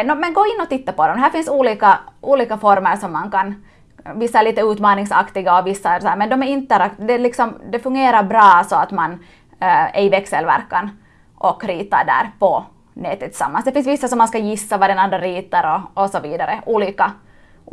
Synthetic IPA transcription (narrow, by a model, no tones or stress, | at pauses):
nɔmɛnɡoːɪnːɔt̪ɪt̪ːapɔd̪ɔmd̪ɛɦæːfɪnsuːliːkaʔuːliːkafɔɾməɾʂɔmːankan | vɪsːaæɭiːt̪əʉːt̪mɑːnɪŋsɑ̰kt̪ɪɡaɔvɪsːaæsɔhæːɾmɛnd̪ɔmæɾɪnt̪ːɛɾak̪d̪ɛlɪksɔmd̪ɛfɵŋɡeːɾaɾbɾɑːsɔat̪man | ɛ̰ɾɪvɛksɛlvæ̰ɾkːan | ʔɔkːɾiːt̪aɖæ̰ːɾpɔ | nɛːt̪ːɛt̪ʰːɪ̥sa̰mːansd̪ɛfɪnsʋɪsːasɔmːanskajɪsːaʋɑd̪ɛnɑnd̪ɾaɾiːt̪ɑɾɔɔsɔʋiːd̪aɾəʔuːliːka